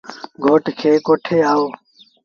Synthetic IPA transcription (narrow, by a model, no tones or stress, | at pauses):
ɡʱoːʈʰkʰeːkoːʈʰeːaːoː